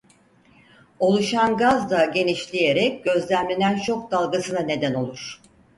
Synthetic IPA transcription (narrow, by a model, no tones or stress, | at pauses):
o̞lˠuʃanɡazd̪aɟe̞niʃlʲije̞ɾɛc̚ɟ̥ø̞zlʲæmlʲenænt͡ʃʰo̞k̚d̪alˠɡasɯnane̞d̪æno̞lˠuɾ̥